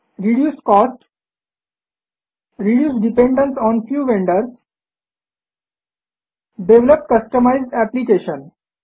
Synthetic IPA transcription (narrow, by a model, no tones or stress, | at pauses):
ɾiɖjuːskɔːsʈ | ɾiɖjuːsɖipẽɳɖə̃nsɔ̃ːnfjuːʋẽɳɖəɾs | ɖeʋləpkəsʈəmaɪzɖæplikeːʃə̃n